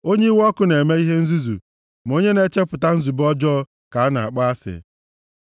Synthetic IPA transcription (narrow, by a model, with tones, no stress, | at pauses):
o˦ɲe˦i˦wɔ˦kʊ˦ne˨me˦i˦ɦe˦n̩˦zu˦zṵ˨ | m˨o˦ɲe˦ne˦t͡ʃe˦pʊ˨ta˦n̩˦zu˨bɔ˦d͡ʒɔ˦ | ka˨a˦na˨a̰˨k͡pa˦a˦sɪ̰˨